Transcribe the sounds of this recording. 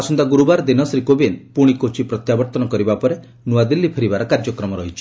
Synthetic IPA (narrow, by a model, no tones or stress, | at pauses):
asɔnd̪aɡuɾubaɾɔd̪inɔsɾikobenpuɽ̃ikot͡ʃipɾɔt̪jabɔɾt̪ɔnɔkɔɾibapɔɾe | nuad̪ilːipʰeɾibaɾɔkaɾd͡ʒɔkɾɔmɔɾɔɦit͡ʃʰi̥